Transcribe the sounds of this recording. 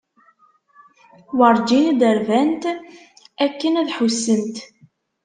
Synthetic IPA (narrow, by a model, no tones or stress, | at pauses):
wɑɾˤd͡ʒinid̪əɾvænt̪ | ækːənæðħusːənt̪